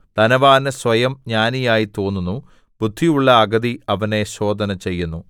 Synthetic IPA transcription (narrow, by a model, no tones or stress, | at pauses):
t̪ɐnɐʋaːnɨsʋɐjɐmɲaːnijaːjit̪o̞ːnːunːu | bud̪ʱːijuɭːɐːɡɐd̪iɐʋɐne̞ɕo̞ːd̪ʱɐnɐt͡ɕe̞jːunːu